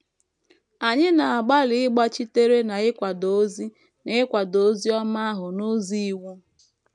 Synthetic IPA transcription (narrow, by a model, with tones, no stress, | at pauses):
a˨ɲɪ˦na˨a˨ɡ͡ba˦lɪ˨ɪ˦ɡ͡ba˦t͡ʃi˦te˦ɾe˦na˨ɪ˦kʷa˨do˨˦zi˦ | ne˦ɪ˦kʷa˨do˨˦zi˦ɔ˦ma˦a˦ɦʊ˨no˦zi˦i˦wu˦